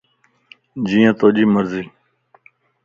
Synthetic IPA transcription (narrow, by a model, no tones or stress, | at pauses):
d͡ʒiːjãːt̪oːʄiːməɾziː